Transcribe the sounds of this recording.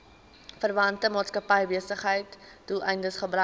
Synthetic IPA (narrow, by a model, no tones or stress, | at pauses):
fərvɐntəmɑːtskɐpɛjbiəsəχɦəjtd̥ulˠʔɛjndəsχəbrœ